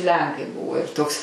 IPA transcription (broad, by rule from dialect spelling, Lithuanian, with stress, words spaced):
ˈlʲɛŋkɐɪ ˈbʊʋoː ɪr ˈtoːks